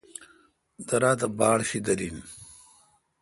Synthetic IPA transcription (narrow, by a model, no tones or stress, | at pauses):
d̪ɐɾaːt̪ɐbaːɽɕid̪ɐɾin